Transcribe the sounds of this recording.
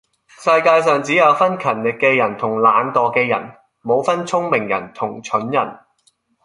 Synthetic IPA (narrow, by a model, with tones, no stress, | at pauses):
sɐ˧jkaː˧jsœː˨ŋt͡siː˨˥jɐ˨˧wfɐ˥nkʰɐ˨˩nlɪ˨kːɛː˧jɐ˨˩nt̪ʰʊ˨˩ŋlaː˨˥nt̪ɔː˨˩kɛː˧jɐ̰˨˩n | mo˨˧wfɐ˥nt͡sʰʊ˥ŋmɪ˨˩ŋjɐ̰˨˩nt̪ʰʊ˨˩ŋt͡ʃʰɵ˨˥njɐ̰˨˩n